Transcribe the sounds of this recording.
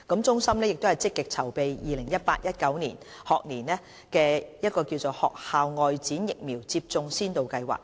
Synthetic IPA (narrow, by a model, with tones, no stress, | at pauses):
kɐ˨˥mt͡sʊ˥ŋsɐ˥mlɛː˥jɪ˨k̚t̪o˥wɐ˨jt͡sɪ˥kːɪ˨k̚t͡sʰɐ˨˩wpe˨jjiː˨lɪ˨˩ŋjɐ˥t̚paː˧t̚jɐ˥t̚kɐ˨˥wnḭː˨˩n | hɔː˨k̚niː˨˩nɛː˥ | kɛː˧jɐ˥t̚kɔː˧kiː˧wt͡so˨whɔ̰ː˨k̚haː˨wŋɔː˨˧jt͡siː˨˥njɪ˨k̚miː˨˩wt͡siː˧p̚t͡sʊ˧ŋsiː˥nt̪o˨wkɐ˧jwa̰ː˨˩k̚